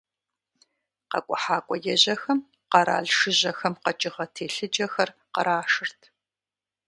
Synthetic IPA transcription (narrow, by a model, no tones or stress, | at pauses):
qɐ̰kʷʼɔħaːkʷʼɔjɛʑɐxɐm | qɐɾa̰ːɮʂɨʑɐxɐmqɐt͡ʃʼɪʁɐtʰeːɬɨd͡ʒɐxɐr | qɐ̰ɾaːʂɨrtʰ